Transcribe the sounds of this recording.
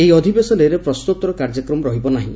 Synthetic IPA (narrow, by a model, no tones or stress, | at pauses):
eɦiɔd̪ʱibesɔleɾepɾɔsnut̪ɔɾɔkaɾd͡ʒɔkɾɔmɔɾɔɦibɔnaɦḭ̃